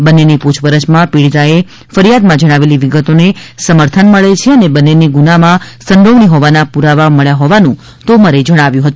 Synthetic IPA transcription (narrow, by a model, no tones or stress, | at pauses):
bənːeniput͡ʃʰpəɾət͡ʃmãpiɽit̪ae | fəɾijad̪mãd͡ʒəɽ̃aʋeliʋiɡət̪onesəməɾt̪ʰənməɭet͡ʃʰeənebənːeniɡunamãsə̃nd̪oʋɳiɦoʋanapuɾaʋaməɭjaɦoʋanũ | t̪omaɾed͡ʒəɽ̃aʋjũɦət̪ũ